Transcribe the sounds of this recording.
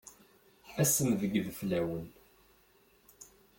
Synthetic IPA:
æsəmvəɡðflæwən

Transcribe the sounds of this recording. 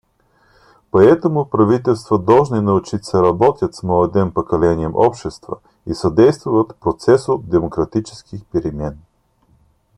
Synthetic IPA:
pɐɛt̪omʊpɾɐvit̪ɛlˠst̪vɐd̪ɔlˠʒninɐʊt͡ʃit̪ʲsɛɾɐbɔt̪ʲjət̪smɔɛd̪ɛnpokɐlɛniɛmʔɔpʃt̪ɛst̪vɐ̰ | isɐd̪ɛjst̪vʊvɐt̪pɾot̪sɛsot̪̚d̪ɛmokɾɐt̪it͡ʃɛ̥skixpɛɾimɛn

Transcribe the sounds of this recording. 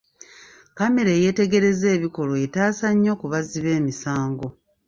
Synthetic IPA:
kame̞ɾeje̞ːte̞ɡe̞ɾe̞ze̞ːβiko̞lo̞etaːsaɲːo̞ːkuβaziβe̞ːmisaːŋɡo̞

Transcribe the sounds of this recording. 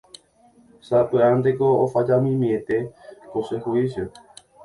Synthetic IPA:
sapɨand̪ekoːfad͡ʒamĩmiẽt̪e̞kosehuisjo

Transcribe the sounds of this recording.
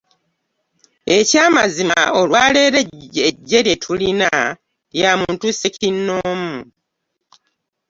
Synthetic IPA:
e̞caːmazima̰o̞lwaːle̞ɾeeɟːeɾjetʰulina | ljamuːntusecinːoːmu

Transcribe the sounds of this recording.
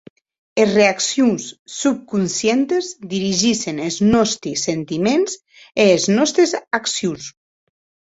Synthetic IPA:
ezreaksjunsːup̚kunsjent̪ezd̪iɾiʒiseneznɔst̪ɾisent̪imenz | eːznɔst̪ɾezaksjus

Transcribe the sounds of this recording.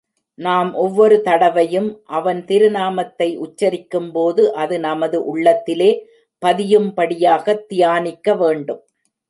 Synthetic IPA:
naːmʔɔʋːɔɾɯt̪ɐɽɐʋɐjɯmʔɐʋɐnt̪ɪɾɯnaːmɐt̪ːɐɪʔʊt͡ʃːɐɾɪkːɯmpoːðɯʔɐðɯnɐmɐðɯʔʊɭːɐt̪ːɪleː | pɐðɪjɯmpɐɽɪjaːɣɐt̪ːɪjaːnɪkːɐʋeːɳɖɯm

